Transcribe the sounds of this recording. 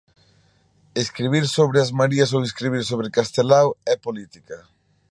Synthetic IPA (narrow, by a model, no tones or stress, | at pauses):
eskɾiβiɾsoβɾɪazmaɾiɐs̬oweskɾiβ̞iɾsoβɾekast̪elawɛpolit̪ikɐ